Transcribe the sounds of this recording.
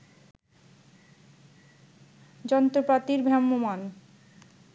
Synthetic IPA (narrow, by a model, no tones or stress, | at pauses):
d͡ʑɔnt̪ɾopat̪iɾbʱɾamːoman